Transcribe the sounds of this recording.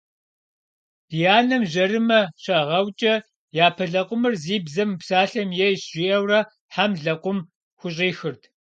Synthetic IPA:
d̥ijaːnɐmʑɐɾɨmɐɕɐʁɐwt͡ʃʼɐ | jaːpʰɐɮɐqʷʼʊmɨrziːbzɐmɨpsaːɬɐmjɛjʒ̥ʷiʔɐwrɐ | ħamɮɐqʷʼʊm | xʷʊɕ̬ʼiːxɨrtʰ

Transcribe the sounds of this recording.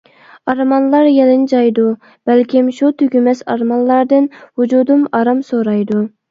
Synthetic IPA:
ɑɾmɑnlˠɑɾjɛlɪnd͡ʒɑjd̪u | b̥ɛlkʲimʃut̪ʰyɡʲymɛsɑ̰ɾmɑnˠlˠɑɾd̪ɨnhud͡ʒud̪umɑɾɑmsoɾɑjd̪u

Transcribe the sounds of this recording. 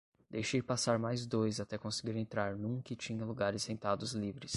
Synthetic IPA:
d̪ejʃiɾpasaɾmajzd̪ojzat̪ɛkõsɪ̥ɡiɾẽnt̪ɾaɾnũkɪt͡ʃĩɲɐluɡaɾɪsːẽnt̪ad̪ʊzlivɾɪs

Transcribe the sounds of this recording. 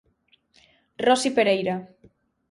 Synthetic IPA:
rɔsipeɾejɾa

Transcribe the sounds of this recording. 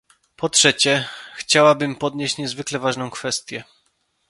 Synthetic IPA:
pɔtʂɛt͡ɕɛxt͡ɕawabɘmpɔd̪ɲeɕt͡ɕɲɛzvɘklɛvaʐnɔ̃w̃kfɛst̪ʲjɛ

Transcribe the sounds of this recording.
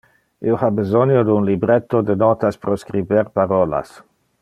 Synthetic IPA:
ʔḭohabezonjod̪unlibɾet̪ːod̪ənɔːt̪aspɾoskɾibeɾpaɾɔːla̰s

